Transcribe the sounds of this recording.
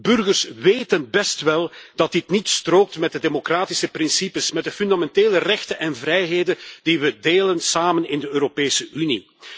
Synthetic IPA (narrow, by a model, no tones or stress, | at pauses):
bɵrɣərsʋeːtənbɛstʋɛlˠd̥ɑt̚dɪtnitstroːk̚tmɛt̚dədemokraːtisəprɪnsipəsmɛt̚dəfyndamɛnteːlərɛxtənʔɛnvrɛjɦeːdəd̥iʋədeːlənsaːmənɪndəøːɾopeːsəʔynḭ